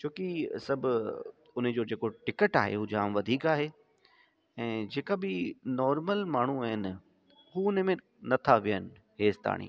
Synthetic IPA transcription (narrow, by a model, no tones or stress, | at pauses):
t͡ɕʰoːkisɐbʱʊ | ʊn̆d͡ʑoːd͡ʑeːkoʈɪkəʈa̰ːɦḛɦuːd͡ʑaːmʋɐd̪ʱiːkaːɦe | ɛ̃ːd͡ʑeːkabɪnɔːɾməlmaːɳ̤uaːɦɪnɪ̆ | ɦuʊn̆mẽ | nɐt̪ʰaʋijənɪ̆ | ɦeːst̪a̰ːɽ̃ḭː